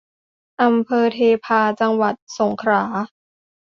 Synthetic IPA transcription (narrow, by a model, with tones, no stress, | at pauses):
ʔa˧mpʰɤː˧t̪ʰeː˧pʰaː˧t͡ɕa˧ŋwa˨˩t̪̚so˩˦ŋkʰɾaː˩˦